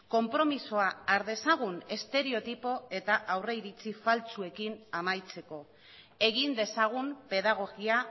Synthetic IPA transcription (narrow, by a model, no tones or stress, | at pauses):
ko̞mpɾo̞misoaaɾðe̞saɣune̞st̪e̞ɾe̞o̞t̪ipo̞e̞t̪aʔawre̞iɾit͡sifalt͡sue̞kinamajt͡se̞ko̞ | e̞ɣind̪e̞saɣ̞umpe̞ðaɣ̞o̞ɣia